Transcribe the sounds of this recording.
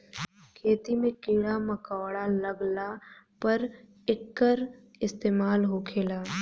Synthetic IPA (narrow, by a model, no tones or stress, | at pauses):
kʰeːt̪imẽkiːɽaməkaːɽaləɡla | pəɾ | ɪkːəɾ | ɪst̪eːmaːlɦokʰeːlaː